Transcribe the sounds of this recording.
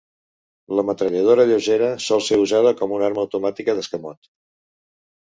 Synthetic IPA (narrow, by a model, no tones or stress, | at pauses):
ləmət̪ɾəʎəð̞oɾəʎoʒeɾəsɔlˠseuzað̞əkɔmunaɾməːwt̪umat̪ikəðəskəmɔt̪